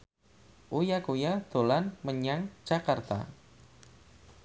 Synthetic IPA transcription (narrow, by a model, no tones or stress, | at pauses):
ʔujakujad̪̥o̤lanməɲaŋ̥d͡ʒ̥akart̪a̰